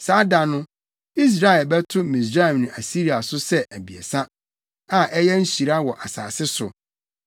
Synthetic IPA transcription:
saː˨˦da˨nʊ̃˦ | i˦s̬ɾa˦˨ɛ˨lbɛ˦tʰʊ˦mĩ˨s̬ɾa˦ɛ˨mnʊ̃˨ʔa˨si˦ɾi˨a˨sʊ˦sɛ˦ʔæ˨bi˨ḛ˨sa˦ | ã˨ʔɛ˦jɛ˦n̩˦ɕi˨ɾa˦wɔ˨ʔa˨saː˨sɪ˦sʊ̰˨

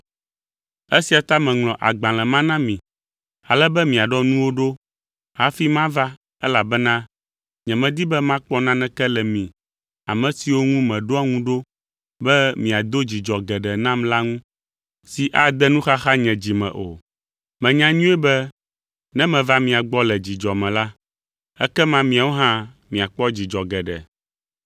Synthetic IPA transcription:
ɛ˦si˨a˨t̪a˦mɛ̃˨ŋlɔ̃˨ʔa̰˨ɡ͡bã˨lɛ˨mã˦nã˦mĩ˨ | a˨lɛ˦bɛ˦mĩ˨a˨ɖɔ˦nũ˦wo˦ɖo˦ | ha˨˦fi˦mã˦va˦ | ɛ˦la˨bɛ˦nã˦ | ɲɛ̃˨mɛ̃˨d̪i˦bɛ˦mã˦k͡pɔ˦nã˦nɛ̃˦kɛ˦lɛ˨mĩ˨ | a̰˨mɛ̃˨si˨wo˦ŋũ˦mɛ̃˨ɖo˦a˦ŋũ˦ɖo˦ | bɛ˦mĩ˨a˨d̪o˦d͡ʑi˨d͡ʒɔ˨ɡɛ˨ɖɛ˨nã˦mla˦ŋũ˦ | si˨ʔa˦d̪ɛ˦nũ˦xa˦xa˦ɲɛ̃˨d͡ʑi˨mɛ̰̃˨ʔo̰˨ | mɛ̃˨ɲã˨ɲũ˦ɛ˦bɛ˦ | nɛ̃˦mɛ̃˨va˦mĩ˨a˨ɡ͡bɔ˦lɛ˨d͡ʑi˨d͡ʒɔ˨mɛ̃˨la˦ | ɛ̰˦kɛ˦mã˦mĩ˨a˨wo˦ɦã˦ | mĩ˨a˨k͡pɔ˦d͡ʑi˨d͡ʒɔ˨ɡɛ˨ɖɛ̰˨

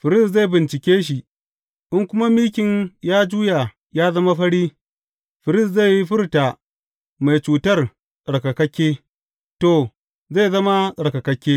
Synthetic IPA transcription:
ɸɪ˨ɾɪ˦˨sza˦˨jbɪ˨nt͡ʃɪ˨kʲeː˦ʃ̬i˨ʔ | ʔɪ˦ŋkʷʊ˦ma˦miː˦kʲɪ˨ɲjaː˦d͡ʒuː˦ja˨ | jaː˦zɐ˦ma˦ɸɐ˦ɽiː˦ | ɸɪ˨ɾɪ˦s̬za˦˨jji˦ɸɪ˦rta˨ | ma˨jt͡ʃuː˨tɐ˦r | sʼɐ˨ɽkɐ˨kɐ˦kʲːeː˦ | to˨ | za˦˨zɐ˦ma˦sʼɐ˨ɽkɐ˨kɐ˦kʲːeː˦

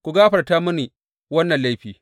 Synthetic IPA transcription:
kʷu˨ɡaː˦ɸɐ˨rta˦mʊ˦ni˨ | wɐ˦nːɐ˨nla˦jɸiː˨

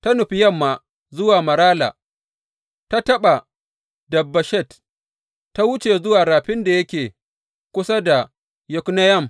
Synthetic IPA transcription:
ta˦nʊ˨ɸi˦jɐ˦˨mːaː˨ | zʊ˦waː˨mɐ˨ɾaː˦la̰ː˨ | ta˦tɐ˦ɓa˨ | dɐ˨bːɐ˨ʃɛ˦˨t | ta˦wʊ˦t͡ʃe˨zʊ˦waː˨ɾaː˨ɸɪ˦nda˨jɐ˦kʲeː˨ | kʷʊ˦sa˦da˨ | jʊ˨knɐ˦jɐ˦˨m

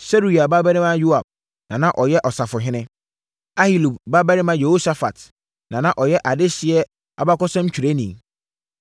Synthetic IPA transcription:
se˦ɾu˨i˨a˨ba˦bɛ˦ɾɪ̃˦mã˦ju˦a˨b̚ | nã˨nã˦ʔɔ˨jɛ˦ʔɔ˨sa˨fʊ˨ɦɪ̃˦nɪ̃˦ | a˦hi˨lu˨bba˦bɛ˦ɾɪ˦mã˦je˨ho˦sa˨fa̰˨t | nã˨nã˦ʔɔ˨jɛ˦ʔa˨dɪ˦ɕɪ˨ɛ˦ | a̰˨ba˦kɔ˦sã˦m˦t͡ɕʰᶣu˨ɾe˦nĩ˨

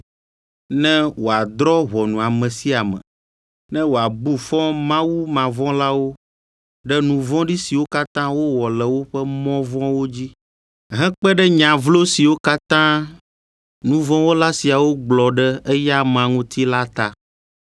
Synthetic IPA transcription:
nɛ̃˦wo˨a˨d̪ɾɔ˦βɔ˨nũ˨a˨mɛ̃˨si˦a˨mɛ̰̃˨ | nɛ̃˦wo˨a˨bu˦fɔ̃˦mã˦wu˦mã˨vɔ̃˦la˦wo˦ | ɖɛ˦nũ˨vɔ̃˦ɖi˦si˨wo˦ka˦t̪ã˦wo˦wɔ˨lɛ˨wo˦ɸɛ˦mɔ̃˦vɔ̃˦wo˦d͡ʑi˦ | ɦɛ̃˦k͡pɛ˦ɖɛ˦ɲã˨vlo˦si˨wo˦ka˦t̪ã˦ | nũ˨vɔ̃˦wo˦la˦si˨a˨wo˦ɡ͡blɔ˨ɖɛ˦ɛ˦ja˦mã˨ŋũ˦t̪i˦la˦t̪a˨

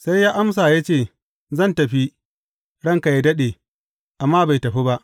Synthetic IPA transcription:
sa˦jːaː˦ʔa˦ms̬aː˨ja˦t͡ʃeː˦˨ | zɐ˦˨ntɐ˨ɸi˦ | ɽɐ˦ŋka˨ja˦dɐ˦ɗeː˨ | ʔa˨mːaː˦ba˨jtɐ˨ɸi˦ba˦ʔ

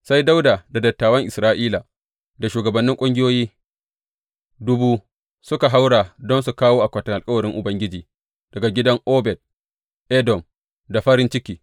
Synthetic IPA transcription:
sa˦jda˦wdaː˨da˨dɐ˨tːaː˨wɐ˦ŋʔɪ˨sɾaː˦ʔiː˦la˨ | da˨ʃuː˨ɡɐ˨bɐ˨nːɪ˦ŋkʷʼʊ˦ŋɡʲɪ˦joː˦jiː˦ | dʊ˦buː˦ | sʊ˦ka˨ɦa˦wɽaː˨dɔ˦nsu˨kaː˦woː˦ʔa˨kʷɐ˨tɐ˨ŋʔa˨lkʼɐ˦wɐ˨ɾɪ˦ŋʔʊ˨bɐ˦ŋɡʲɪ˦d͡ʒiː˨ | d̥ɐ˨ɡa˨ɡʲɪ˦dɐ˦ŋʔoː˦bɛ˨d̚ | ʔɛ˦dɔ˨m | da˨ɸɐ˦ɾɪ˦nt͡ʃɪ˦kʲiː˨

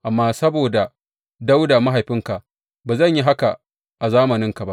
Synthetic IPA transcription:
ʔa˨mːaː˦sɐ˦boː˨da˨ | da˦wda˨ma˦ɦa˨jɸɪ˦ŋka˨ʔ | baː˨zɐ˦˨ɲji˦ɦa˦ka˨ | ʔa˨zaː˦mɐ˨nɪ˦ŋka˨ba˦ʔ

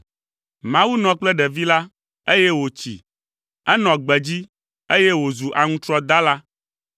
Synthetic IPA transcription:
mã˦wu˦nɔ̃˨k͡plɛ˦ɖɛ˨vi˦la˦ | e˦jɛ˦wo˨t͡ɕḭ˨ | ɛ˦nɔ̃˨ɡ͡bɛ˨d͡ʑi˦ | e˦jɛ˦wo˨zu˨ʔa˨ŋũ˦t̪ɾɔ˦d̪a˦la˦

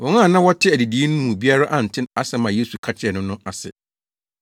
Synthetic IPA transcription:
wɔ̃˨ŋã˦˨nã˦wɔ˦tʰɪ˦æ˨di˨di˨˦e˦nʊ̃˦mũ˨bi˦a˦ɾa˦ʔa˨n̩˨tʰɪ̃˦na˦sɛ˨mã˨je˦su˨kʰa˦t͡ɕʰɪ˦ɛ˨nʊ̃˦nʊ̃˦a˨sɛ̰˨

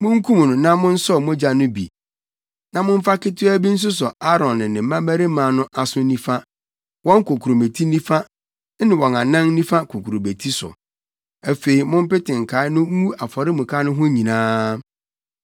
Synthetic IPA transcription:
mʊ̃˦ŋ̩˦kʰũ˦m˨nʊ̃˨nã˦mʊ̃˦n̩˦sɔ˦˨mʊ̃˦d͡ʑa˨nʊ̃˦bḭ˨ | nã˨mʊ̃˦ɱ̩˦fa˦kɪ˦tʰɪ˦æ˦bi˦n̩˦s̬ʊ˦sʊ˨a˦ɾɔ̃˨nːɪ̃˨nɪ̃˨m̩˦mã˦mæ˦ɾi˦mãː˨˦nʊ̃˦ʔa˨sʊ˦nĩ˦fa˦ | wɔ̃˦ŋ˦kʰo˨kʰu˨ɾo˨me˨tʰi˦nĩ˦fa˦ | nɪ̃˨wɔ̃˨na˨nã˦ŋ˦nĩ˦fa˦kʰo˨kʰu˨ɾo˨me˨tʰi˦sʊ̰˨ | æ˨fe˨i˨mʊ̃˦m˦pɪ˦tʰɪ̃˨ŋ̩˨kʰa˨˦ɪ˦nʊ̃˦ũ˦a˨fɔ˨ɾɪ˦mʊ̃˨kʰa˦nʊ̃˦ɦʊ̃˦ɲĩ˨nãː˦

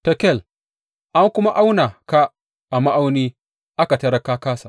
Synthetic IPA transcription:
tɐ˨kɛ˦˨l | ʔa˦ŋkʷʊ˦ma˦ʔa˦wna˨ka˦ | ʔa˨ma˦ʔa˦wni˦ | ʔa˦ka˨tɐ˦ɾa˦ka˦kaː˦sa˨

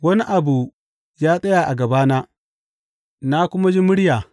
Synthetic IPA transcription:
wɐ˦ni˦ʔa˨bu˨ | jaː˦sʼɐ˦ja˨ʔa˨ɡɐ˨baː˦naː˦ | na˦kʷʊ˦ma˦d͡ʒi˦mʊ˦ɽjaː˨

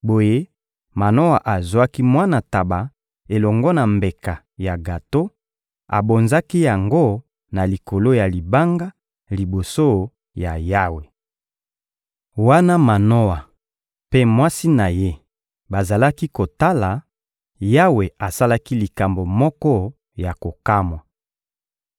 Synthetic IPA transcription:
bo˨je˦ | ma˨no˦wa˨ʔa˨zwa˦ki˦mwa˦na˨ta˨ba˨ | e˨lɔ˨ŋɡɔ˦na˨mbe˨ka˨ | ja˨ɡa˨to˦ | a̰˨bo˨nza˦ki˦ja˨ŋɡo˦ | na˨li˨ko˨lo˦ja˨li˨ba˦ŋɡa˦ | li˨bo˨so˦ | ja˨ja˦we˨ | wa˦na˦ma˨no˦a˨ | pe˦mwa˦si˦na˨je˦ | ba˨za˨la˦ki˦ko˨ta˦la˨ | ja˦we˨a˨sa˦la˦ki˦li˨ka˨mbo˨mɔ˦kɔ˦ | ja˨ko˨ka˦mwa˨

